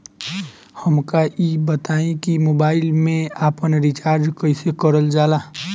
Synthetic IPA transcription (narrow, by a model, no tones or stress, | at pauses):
həmkaʔibət̪aːẽkimoːbaːɪlmẽaːpənɾit͡ʃaːɾd͡ʒkəɪsekəɾəld͡ʒaːlaː